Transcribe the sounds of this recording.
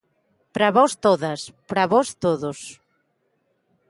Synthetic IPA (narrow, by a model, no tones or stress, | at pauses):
pɾaβɔst̪oðɐspɾaβɔst̪oðʊs